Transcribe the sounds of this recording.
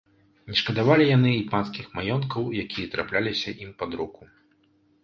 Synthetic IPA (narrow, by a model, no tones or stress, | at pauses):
nʲɛʂkɐd̪avalʲijanɨipanskʲixmajɔnkɐwjakʲijɐt̪ɾa̰plʲalʲisʲɐʔimpad̪ɾuku